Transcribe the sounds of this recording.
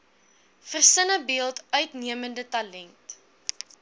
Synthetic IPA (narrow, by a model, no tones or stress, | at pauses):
fərsənəbiəlˠtœɥtniəməndətɐlɛnt